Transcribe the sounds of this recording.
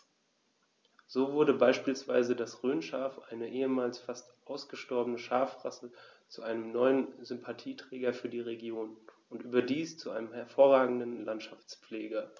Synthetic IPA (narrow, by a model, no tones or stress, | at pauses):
z̥oːvʊɐdəbaɪʃpiːlsv̥aɪzədasʁøːnʃaːfʔa̰ɪnəʔeːəmaːlsfastʔaʊsɡ̥əʃtɔɐbənəʃaːfʁa̰sət͡suʔaɪnəmnɔʏənzʏmpʰatʰiːtʁ̥ɛːɡɐfyːɐdiːʁeɡjoːn | ʊntʔyːbɐdiːst͡suʔaɪnəmhɛɐfoːɐʁaːɡŋ̩dən̩lantʃaft͡spp͡fleːɡɐ